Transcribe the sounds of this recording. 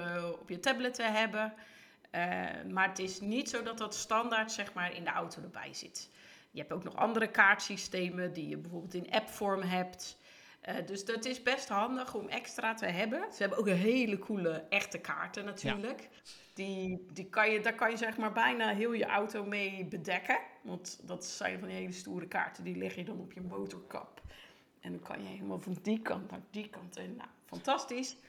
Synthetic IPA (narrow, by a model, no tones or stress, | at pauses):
ɔpjətɛblətəɦɛbə | maːrətɪsnitsowdɔt̚dɔtstɑndaɹtsɛxmaːɹɪ̰ndəa̰wtʰodəbɛ̰jz̥ɪ̰t | jəɦɛptowknɔ̰xɑ̰ndəɾəkaːɹtsisteːmədijə̰bəforbɪlˠtɪnʔɛpfɔɹmɦɛpt | ʔdøsdɔtɪsbɛstɦɑndəxɔmɛ̰kstratəɦɛbəsəɦɛbənowkənɦeːləkʰuləʔɛxtəkʰa̰ːɹtənatʰyːɹlək | d̥idikʰɔjədakɔnjəzɛxmaːɹbɛjnaɦɪəlˠjəʔawtowmeːbədɛkəʋɑntdɔtsɛ̰jnfɔndəɦeːləstuːɾəka̰ːɹtədilɪxjədɔnopjəmoːtɔɹkɔ̰p | ɛndɔnkʰɔ̰njəeləmalˠvɔndikʰɑntna̰dikɑntʰɛnja̰fɔntastis